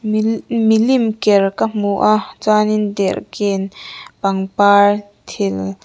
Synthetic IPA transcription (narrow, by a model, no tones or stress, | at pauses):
milimkeɹkamuʔat͡sanind̪eɹkenpaŋpaɹ | t̪ʰel